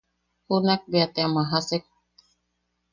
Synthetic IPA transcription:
hunak̚biat̪amaɦasek̚

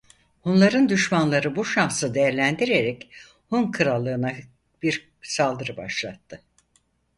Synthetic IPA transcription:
hunlˠaɾɯnd̪yʃmanlˠaɾɯbuʃansɯd̪e̞jæɾlʲænd̪iɾeɾɛc | hunkʰɯɾalˠːɯːna | biɾ | salˠd̪ɯɾɯbaʃlˠat̪ʰːɯ

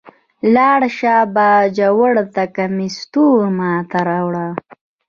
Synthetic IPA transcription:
lɑːɽʃabɑːd͡ʒawəɽt̪akamist̪uɾmɑːt̪aɾawɽa

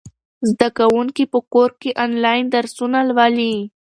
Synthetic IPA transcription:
zd̪akawuŋkipəkoɾkeʔɑnlɑjnd̪aɾsunalwɑli

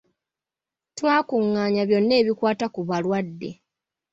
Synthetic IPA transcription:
twaːkuŋːaːɲaβjo̞nːe̞ːβikwaːtakuβalwadːe̞̰

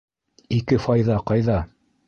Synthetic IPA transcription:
ikɘfɑjðɑqɑjðɑ

